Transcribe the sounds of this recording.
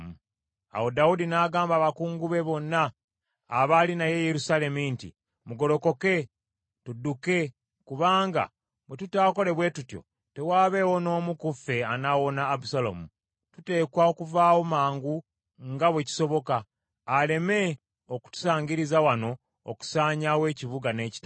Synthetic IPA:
u | a̰wo̞daudinaːɡaːmbaːβakuːŋɡuβe̞βo̞nːaː | βalinaje̞jeɾusale̞mintḭ | muɡo̞lo̞ko̞ke̞ | tudːuke̞ | kuβaːŋɡa̰ | βwetutaːko̞le̞βwe̞ːtutjo̞̰ | te̞waːβe̞ːwo̞no̞ːmukufe̞anawo̞naːbusalo̰mu | tute̞ːkwaokuvaːwo̞maːŋɡu | ŋɡaβweci̥so̞βo̞kaː | le̞me̞ | oku̥tu̥saːɲɟiɾizawano̞̰ː | ku̥saːɲawe̞ːciβuɡane̞ːci̥t

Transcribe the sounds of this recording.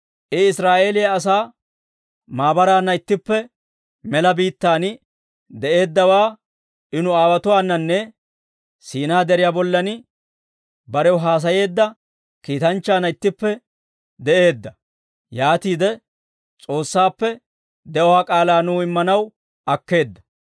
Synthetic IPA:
ʔɪɪsɾaːʔe̞ːlɪjɐːs̬aː | maːbɐɾaːnːɐɪt̪ːɪpːɛ | mɛlɐbiːt̪ːaːnɪ | d̪ɛʔe̞ːd̪ːɐwaː | ʔɪnʊaːwɐt̪ʊwaːnːɐnːɛ | siːnaːd̪ɛɾɪjaːbɔlːɐnɪ | bɐɾɛwɦaːs̬ɐje̞ːd̪ːɐ | kiːt̪ɐnt͡ʃːaːnɐɪt̪ːɪpːɛ | d̪ɛʔe̞ːd̪ːɐ | jaːt̪iːd̪ɛ | t͡sʼo̞ːsːaːpːɛ | d̪ɛʔɔwaːkʼaːlaːnuːɪmːɐnɐw | ɐkːe̞ːd̪ːɐ̥

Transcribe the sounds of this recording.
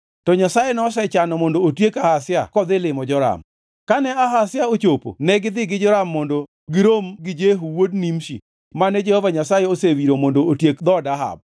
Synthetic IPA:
tɔɲasajenɔsɛt͡ʃanɔmondoːtjekahasjakɔd̪ɪlɪmɔd͡ʒɔɾa̰m | kanɛaɦasɪjaot͡ʃopo̰nɛɡɪd̪ɪɡɪd͡ʒɔɾamːondo | ɡɪɾomɡɪd͡ʒeɦuwodnimʃḭ | manɛd͡ʒehɔvaɲasajeosewiɾomondootjekd̪ɔdaɦa̰b̚

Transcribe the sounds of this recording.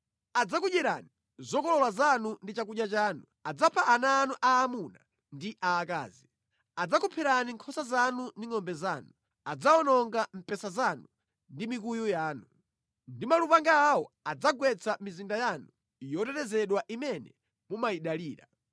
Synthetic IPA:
ad͡zakuɗɛɾa̰ni | zɔkɔlɔlwazanundit͡ʃakuʄat͡ʃaːnu | ad͡zapʰaʔːnaːnuʔaːmuna | ndiʔaːka̰ːzi | ad͡zakupʰɛɾaniŋkʰɔsazanundiŋɔmbɛzaːnu | ad͡zaɔnɔŋɡam̩pɛsazanu | ndimik̬ujujaːnu | ndimalupaŋɡaːwɔ | ad͡zaɡwɛt͡sʰamizindajanu | jɔtɛtɛzɛɗwaʔimɛnɛ | mumajiɗaliːɾa̰

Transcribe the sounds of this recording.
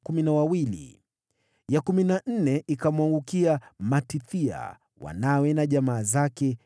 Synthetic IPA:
kuminawawilḭ | jakuminan̩nɛikamwaŋɡukiamatiθia̰ | wa̰nawɛnaʄamaːzakɛ

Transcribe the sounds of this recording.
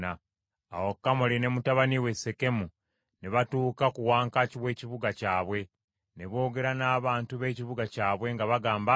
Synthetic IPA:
a̰ː | wokːamoline̞mutaβaniwe̞se̞ke̞mu | neβatuːkakuwaːŋkaciwe̞ːciβuɡacaːβwe̞ | neβo̞ːɡe̞ɾanaːβaːntuβe̞ːciβuɡacaːβwe̞ŋɡaβaɡaːmba

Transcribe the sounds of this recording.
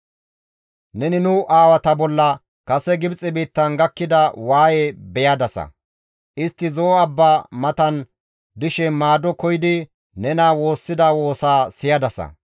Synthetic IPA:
nɛnɪnʊʔaːwɐt̪ɐbɔlːɐ | kɐsɛɡɪbt͡sʼɪbiːt̪ːɐnɡɐkːɪd̪ɐwaːjebɛjɐd̪ɐsɐ̰ | ʔɪst̪ːɪzoːɐbːaːmɐt̪ɐn | d̪ɪʃɛmaːd̪ɔkɔjɪd̪ɪ | nɛnaːwo̞ːsːɪd̪ɐwo̞ːsaːsɪjɐd̪ɐsɐ̰

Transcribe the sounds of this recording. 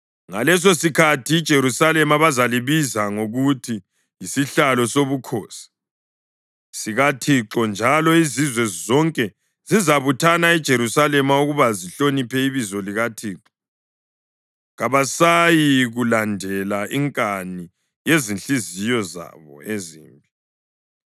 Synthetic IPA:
ŋalɛs̬osikʰatʰiːd̥ʒ̥ʱeɾusalɛmaβazaliβizaŋoɣutʰi | isiɬalɔsoβukʰoːsi̥ | siɣatʰiǁɔnd͡ʒʱalɔizizwɛzɔŋkʼɛ | zizaβutʰanaid̥ʒ̥ʱeɾusalɛmauɣuβaziɬonipʰɛiβizɔliɣatʰiːǁɔ | ɣaβasajiɣulandʱɛlaʔiŋkʼani | jezinɬizijɔza̰βɔ̰ezḭːmbʱi

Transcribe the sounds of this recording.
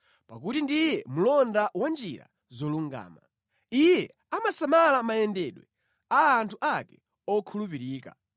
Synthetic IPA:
pak̬utindijɛmulɔndawand͡ʒiɾa̰ | zɔluŋɡa̰ːma | ijɛ | amasamalamajɛndɛɗwɛ | aːntʰuʔakɛ̥ | ɔkʰulupiɾiːka̰

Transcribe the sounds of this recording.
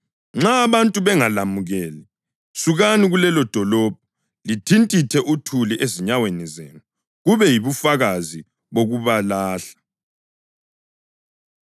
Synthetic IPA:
ŋ͡ǁaːβantʼuβɛŋalamuɣɛːli | suɣaniɣulɛlɔd̥ʱɔlɔb̥̚ʱɔ | litʰintʼitʰɛʔutʰuliʔeziɲawenɛzeːnu | ɣuβɛjiβufaɣazi | βoɣuβalaːɬḁ

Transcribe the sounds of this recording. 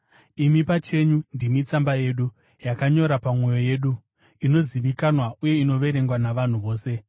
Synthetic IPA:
imipat͡ʃe̞ɲundimit͡sambaje̞ːɗu | jakaɲo̞ɾapamwe̞jo̞je̞ːɗu | ino̞ziʋikanwaʔuje̞ino̞ʋe̞ɾe̞ŋɡwanaʋan̤uʋo̞ːse̞

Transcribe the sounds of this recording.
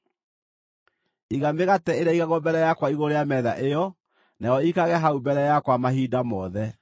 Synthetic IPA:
iɣameɣatɛeɾaiɣaɣɔbɛɾɛjakwaiɣoɾejamɛða̰ʔejɔ | najɔikaɣɛɦaumbɛɾɛjakwamahiːdamɔðɛ

